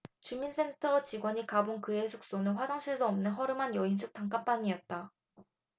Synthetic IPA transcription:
t͡ɕuminsʰe̞ntʰʌt͡ɕiɡwʌɲikabonkɯesʰuk̚s͈onɯnɸwad͡ʑaŋɕʰiɭs͈ʰʌʌmnɯnɦʌɾɯmanjʌinsʰuk̚t͈aŋk͈ap͈aɲiʌt̚t͈a

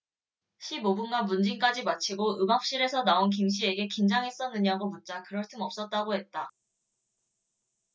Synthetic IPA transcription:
ɕʰimobunɡamund͡ʑiŋk͈ad͡ʑimat͡ɕʰiɡoɯmak̚ɕ͈iɾe̞sʰʌnaonk̬imɕ̬ʰie̞ɡe̞kind͡ʑaŋɦes͈ʌnːɯɲaɡomunt͡ɕ͈akɯɾʌɭt͈ɯmʌp̚s͈ʌt̚t͈aɡoɦe̞t̚t͈a

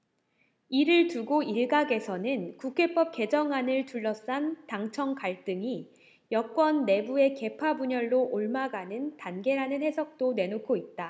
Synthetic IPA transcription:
iɾɯɭtuɡoiɭɡaɡe̞sʰʌnɯnkukʰe̞p͈ʌp̚k͈e̞d͡ʑʌŋanɯɭtuɭːʌs͈antaŋt͡ɕʰʌŋkaɭt͈ɯŋi | jʌk͈wʌnːe̞bue̞ke̞pʰabuɲʌɭːoʔoɭmaɡanɯntanɡe̞ɾanɯnhe̞sʰʌk̚t͈one̞nokʰoit̚t͈a

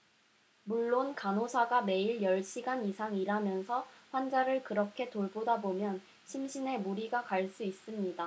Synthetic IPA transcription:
muɭːonkanosʰaɡame̞iɭjʌɭɕʰiɡanisʰaŋiɾamjʌnsʰʌɸwand͡ʑaɾɯɭkɯɾʌkʰe̞toɭbodabomjʌn | ɕʰimɕʰine̞muɾiɡakaɭs͈uis͈ɯmɲida

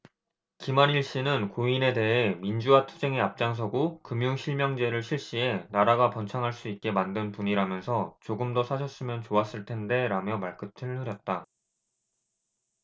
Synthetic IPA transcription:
kimaniɭɕ͈inɯnkoine̞de̞ɦe̞mind͡ʑuwatʰud͡ʑe̞ŋeap̚t͡ɕ͈aŋs̬ʰʌɡokɯmjuŋɕʰiɭmjʌŋd͡ʑe̞ɾɯɭɕʰiɭɕ͈ie̞naɾaɡapʌnt͡ɕʰaŋɦaɭs͈uit̚k͈e̞mandɯnpuɲiɾamjʌnsʰʌt͡ɕoɡɯmdosʰaɕʰʌs͈ɯmjʌnt͡ɕoas͈ɯɭtʰe̞nde̞ɾamjʌmaɭk͈ɯtʰɯɭhɯɾjʌt̚t͈a

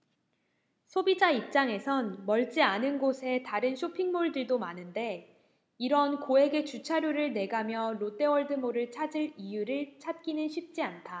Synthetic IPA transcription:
sʰobid͡ʑaip̚t͡ɕ͈aŋe̞sʰʌnmʌɭt͡ɕ͈ianɯnɡosʰe̞taɾɯnɕʰopʰiŋmoɭdɯɭdomanɯnde̞ | iɾʌnkoɦe̞ɡe̞t͡ɕut͡ɕʰaɾjoɾɯɭne̞ɡamjʌɾot͈e̞wʌɭdɯmoɾɯɭt͡ɕʰad͡ʑɯɭijuɾɯɭt͡ɕʰat̚k͈inɯnɕʰɥip̚t͡ɕ͈iantʰa

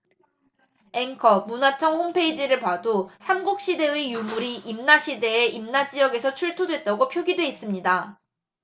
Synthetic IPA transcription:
e̞ŋkʰʌmunat͡ɕʰʌŋhompʰe̞id͡ʑiɾɯɭpadosʰamɡuk̚ɕ͈ide̞ijumuɾiʔimnaɕʰide̞ːʔimnad͡ʑijʌɡe̞sʰʌt͡ɕʰuɭtʰodwe̞t̚t͈aɡopʰjoɡidwe̞is͈ɯmɲida

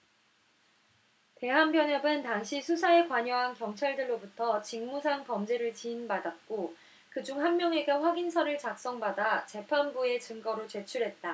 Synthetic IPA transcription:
te̞ɦambjʌnʌbɯntaŋɕʰisʰusʰae̞kwaɲʌɦankjʌŋt͡ɕʰaɭdɯɭːobutʰʌt͡ɕiŋmusʰaŋpʌmd͡ʑe̞ɾɯɭt͡ɕiːnbadat̚k͈o | kɯd͡ʑuŋɦanmjʌŋe̞ɡaɸwaɡinsʰʌɾɯɭt͡ɕak̚s͈ʌŋbadat͡ɕe̞pʰamɡue̞t͡ɕɯŋɡʌɾot͡ɕe̞t͡ɕʰuɾɦe̞t̚t͈a

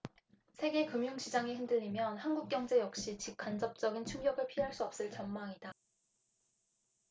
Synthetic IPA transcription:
sʰe̞ɡe̞kɯmjuŋɕid͡ʑaŋiɦindɯʎimjʌnhanɡuk̚k͈jʌŋd͡ʑe̞jʌk̚ɕ͈it͡ɕip̚kʰand͡ʑʌp̚t͡ɕ͈ʌɡint͡ɕʰuŋɡjʌɡɯɭpʰiɦaɭs͈uʌp̚s͈ɯɭt͡ɕʌnmaŋida

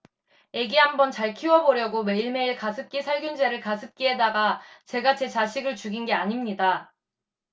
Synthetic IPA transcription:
e̞ɡiɦambʌnt͡ɕaɭkʰiwʌboɾjʌɡome̞iɭme̞iɭkasʰɯp̚k͈isʰaɭɡjund͡ʑeɾɯɭkasʰɯp̚k͈ie̞daɡat͡ɕe̞ɡat͡ɕe̞t͡ɕaɕʰiɡɯɭt͡ɕuɡinɡe̞aɲimɲida

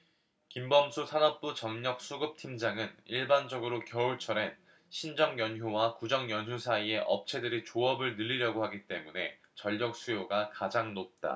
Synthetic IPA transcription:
kimbʌmsʰusʰanʌp̚p͈ut͡ɕʌŋɲʌk̚s͈uɡɯp̚tʰimd͡ʑaŋɯniɭband͡ʑʌɡɯɾokjʌuɭt͡ɕʰʌɾe̞n | ɕʰind͡ʑʌŋjʌnɦjuwakud͡ʑʌŋjʌnjusʰaie̞ʔʌ̰p̚t͡ɕʰe̞dɯɾit͡ɕoʌbɯɭnɯʎːiɾjʌɡohaɡit͈e̞mune̞ | t͡ɕʌʎːʌk̚s͈ʰujoɡakad͡ʑaŋnot̚t͈a̰

